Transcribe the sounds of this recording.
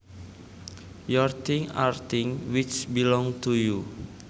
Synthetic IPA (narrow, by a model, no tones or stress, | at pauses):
jɔrt̪ʰiŋa̰rt̪ɪŋwit͡ʃbilɔŋt̪uju